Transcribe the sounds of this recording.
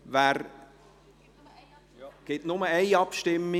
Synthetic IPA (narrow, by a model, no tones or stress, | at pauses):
væːɾ | ɡ̥ɪtnʊməeɪɑpʃtɪmɪ